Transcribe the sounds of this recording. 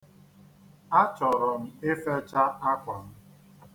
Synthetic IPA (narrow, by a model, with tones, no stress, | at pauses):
a˦t͡ʃɔ˨ɾɔ˨m̩˦˨e˦fe˦t͡ʃa˦a˦kʷa˨m̩˦